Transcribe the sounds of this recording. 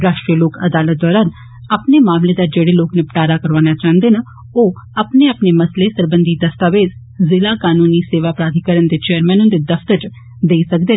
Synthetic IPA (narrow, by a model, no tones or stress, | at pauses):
ɾaːʃʈɾiəloːkə̰d̪aːlət̪̚d̪ɔːɾaːn | əpnemaːmled̪aːd͡ʒeːɽeloːknepəʈaːɾaːkəɾʋaːnaːt͡ʃãːənd̪eːna | oː | əpneəpnemɐslesəɾbə̃nd̪id̪əst̪aːʋeːd̪ | zɪlaːkaːnuːniseːʋaːpɾaːd̪ʱikəɾənd̪et͡ʃeːəɾmɛ̃ːnʊ̃nd̪ed̪əfʰt̪əɾt͡ʃ | d̪eːsəkd̪eː